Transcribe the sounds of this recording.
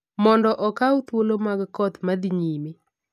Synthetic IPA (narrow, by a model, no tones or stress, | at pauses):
mɔndɔʔɔkawt̪wolomaɡkɔt̪mad̪iɲime